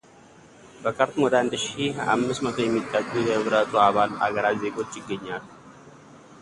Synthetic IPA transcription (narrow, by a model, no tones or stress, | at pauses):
bəkʰəɾt̪mwɔd̪əand̪ʃia̰mːɨsmət̪ʰo̞jɛmːit̪ʼːəkʼːujɛhɨβɾət̪ʰuaβala̰ɡəɾaze̞ɡo̞t͡ʃːjɪɡːəɲːal